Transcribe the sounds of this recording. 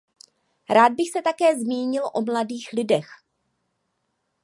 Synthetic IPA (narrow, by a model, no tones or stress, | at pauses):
ɾaːd̪̚bɪxsɛt̪akɛːzmiːɲɪlʔo̞mladiːxlɪdɛx